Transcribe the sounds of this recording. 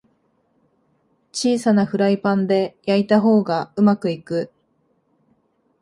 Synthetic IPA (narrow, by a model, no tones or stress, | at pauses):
t͡ɕiːsanaɸɯ̟ɾaipãnd̪e̞jait̪aɦo̞ːɡaɯ̟makɯ̟ikɯ̟